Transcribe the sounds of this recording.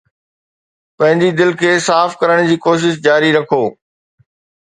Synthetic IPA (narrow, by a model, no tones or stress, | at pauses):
pɐ̃ɦɪ̃ɲd͡ʑid̪ɪlkʰeːsaːfkɐɾəɽ̃d͡ʑiːkoːʃ̬ɪʃ̬d͡ʑaːɾiɾɐkʰoː